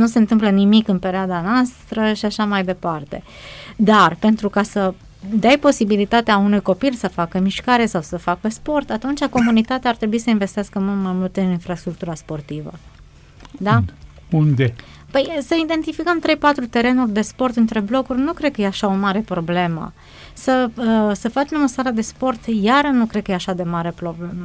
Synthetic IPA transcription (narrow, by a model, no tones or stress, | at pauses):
nuse̞nt̪ɨmplənimikɨnpe̞ɾead̪anoast̪ɾəʃiaʃamajd̪e̞part̪e̞̰ | d̪arpe̞nt̪ɾukasə | d̪ajpo̞sibilit̪at̪eaunujko̞pilsəfakəmiʃkaɾe̞sawsəfakəspo̞rt̪at̪unt͡ʃako̞munit̪at̪eaːrt̪ɾe̞buisəinve̞st̪easkəmumajmult̪ɨninfɾast̪ɾuk̚t̪uɾaspo̞rt̪ivə̰ | d̪a | und̪e | pəjsəid̪e̞nt̪ifikəmt̪ɾe̞jpat̪ɾut̪e̞ɾe̞nurʲd̪e̞spo̞rt̪ɨnt̪ɾe̞blo̞kurʲnukɾe̞d̪̚kəjeaʃaomaɾe̞pɾo̞ble̞mə̰ | səəsəfat͡ʃmeməsaɾəd̪e̞spo̞rt̪jaɾənukɾed̪̚kəjeaʃad̪e̞maɾe̞pɾo̞ble̞mə